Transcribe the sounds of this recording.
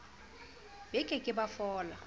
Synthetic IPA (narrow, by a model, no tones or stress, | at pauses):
b̥ɛkʼɛkʼɪbafɔːla